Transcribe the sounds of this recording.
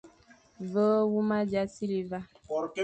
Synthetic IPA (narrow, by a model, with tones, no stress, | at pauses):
və˦wu˦ma˦d͡ʒa˦si˦li˨va˦˨˦